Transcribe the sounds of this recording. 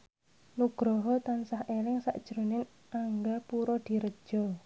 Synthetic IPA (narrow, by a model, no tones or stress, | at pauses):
nuɡ̥ɾɔɦɔt̪ansahelɪŋsa̰ʔd̥ʒ̥ɾonɪn | ʔaŋɡapuɾɔd̪̥i̤ɾəd̥ʒ̥ɔ